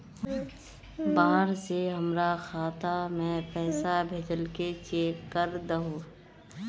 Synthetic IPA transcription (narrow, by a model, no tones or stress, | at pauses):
baːɦəɾseɦəmɾaxʰaːt̪amɛ̃ːpɛːsabʱeːd͡ʒəlket͡ʃeːkːəɾd̪əɦõː